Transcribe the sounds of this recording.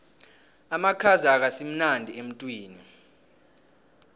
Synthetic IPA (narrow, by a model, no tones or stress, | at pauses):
amakʰazaak̬asim̩nandʱiem̩tʼwiːni